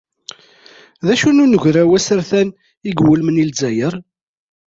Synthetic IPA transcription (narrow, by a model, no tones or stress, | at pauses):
ðæʃununəʝʷɾæwæsəɾθæn | iɡwəlmənilzæjəɾˤ